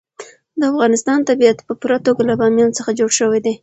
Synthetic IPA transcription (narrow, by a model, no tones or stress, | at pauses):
d̪əafɣɑnɪst̪ɑnt̪abijat̪pəpuɾat̪oɡalabɑmjɑnot͡səxad͡ʒoɽʃəwed̪e